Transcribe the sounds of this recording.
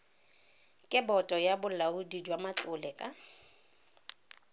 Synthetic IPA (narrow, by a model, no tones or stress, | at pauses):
kʼɪbɔtʼɔjabʊlaudid͡ʒwamat͡ɬʼʊlɛkʼa